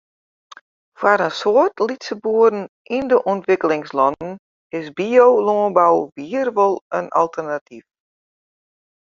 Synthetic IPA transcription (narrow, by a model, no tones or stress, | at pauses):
fwaɾənsoərtʰlitsəbuəɾn̩ | ʔindəʔɔntʋɪkəlɪŋslɔnən̩ | ɪsbiowloːnbawʋiərʋolˠənalˠtʰərnatʰif